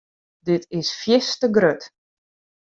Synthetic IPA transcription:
dɪtʰɪsfjɪstəɡrøt

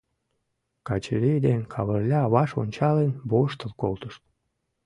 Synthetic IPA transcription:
kɑt͡ɕəlʲejd̪enkʰɑβərlʲɑːβɑʃo̰nʲt͡ɕɑlenboʃt̪əlkolt̪əʃt̪̚

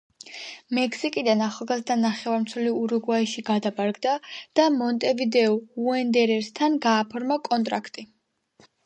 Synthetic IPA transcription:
mɛkʰsikʼid̪anaχalˠɡazd̪anaχɛvaɾmt̪sʰɛliuɾuɡwaiʃiɡad̪abaɾɡd̪ad̪̥amɔnt̪ʼɛvid̪ɛɔuɛnd̪ɛɾɛɾst̪ʰanɡaːpʰɔɾmakʼɔnt̪ʼɾa̰kʰt̪ʼi

